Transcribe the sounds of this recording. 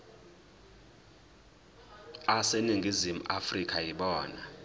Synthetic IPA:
aseniŋʱizimuʔafrikʰʼajiɓɔːna

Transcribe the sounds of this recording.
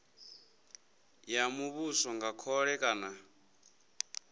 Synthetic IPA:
jamuβusɔŋɡakʰɔɺɛkʼana

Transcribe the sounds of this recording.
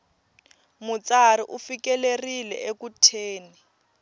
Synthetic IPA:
mut͡saɾiʔufikɛlerilɛ̰ʔekutʰeːni

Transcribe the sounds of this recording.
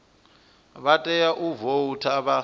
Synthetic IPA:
βatʼɛjaʔuvoutʰaβa

